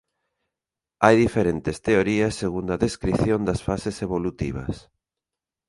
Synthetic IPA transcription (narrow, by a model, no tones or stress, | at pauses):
ajðifeɾent̪est̪eoɾiɐsːeɣund̪ɐðeskɾiθjond̪ɐsfaseseβolut̪iβɐ̰s